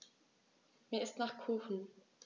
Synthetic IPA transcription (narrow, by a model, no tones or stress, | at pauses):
meːɐɪstnaːχkʰuːxn̩